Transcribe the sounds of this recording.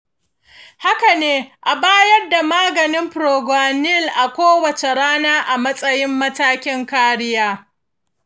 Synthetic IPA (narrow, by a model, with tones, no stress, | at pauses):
ha˦ka˨neː˦ʔa˨baː˦jɐ˦rda˨maː˦ɡɐ˨nɪ˦mɸɾoː˨ɡʷaː˨nɪ˦˨lʔa˨kʷoː˦wɐ˨t͡ʃe˨ɽaː˦naː˦ʔa˨mɐ˦sʼɐ˦jɪ˦mːɐ˦taː˦kʲɪ˦ŋkaː˦ɽɪ˦jaː˦